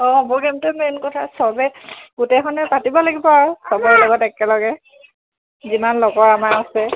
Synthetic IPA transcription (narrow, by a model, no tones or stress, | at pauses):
ɔ̃ɔbɔɡɛmtɛmɛnkɔtʰasɔbɛɡutɛkʰɔnɛpatibɔlaɡibɔaɹusɔbɔɛlɔɡɔtɛkɛlɔɡɛ | zimanlɔɡɔɹamaasɛ